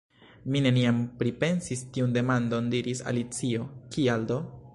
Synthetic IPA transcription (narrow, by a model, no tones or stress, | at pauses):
mine̞niampɾipe̞nsistiunde̞mando̞ndiɾisa̰lit͡sio̞kialdo̞